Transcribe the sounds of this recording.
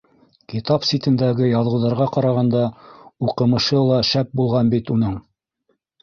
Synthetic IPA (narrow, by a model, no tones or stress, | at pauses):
kit̪ɑpsʲit̪ɘ̆nd̪æɡɘjɑlˠɤ̆wðɑɾʁɑqɑɾɑʁɑnd̪ɑuqɤ̆mɤ̆ʃɤlˠɑʃæp̚bulˠʁɑnbit̪unɤɴ